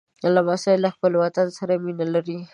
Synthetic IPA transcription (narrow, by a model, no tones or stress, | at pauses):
alːamasalːaxpəlwat̪ansaɾaminalaɾi